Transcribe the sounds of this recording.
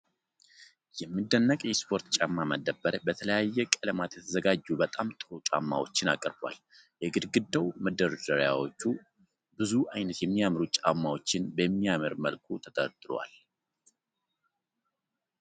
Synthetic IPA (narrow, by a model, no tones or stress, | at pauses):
jɛmːɨd̪ːənːəkʼjɛspʰo̞ɾt̪t͡ʃʼamːaməd̪ːəbəɾbət̪ʰələjajːɛkʼələmat̪jɛt̪ʰəzəɡad͡ʒːubət̪ʼamt̪ʼɨɾot͡ʃʼa̰mːa̰wo̞̰t͡ʃːɪna̰kʼəɾbwa̰l | jɛɡɨd̪ɡɨd̪ːəwməd̪ːəɾəd͡ʒəɾja̰wo̞t͡ʃːu | bɨzuʔajnət̪jɛmːijamɾut͡ʃʼamːawo̞t͡ʃːɪnbəmːiamɨɾmə̰lkʰut̪ʰət̪ʼət̪ʼɨɾwa̰l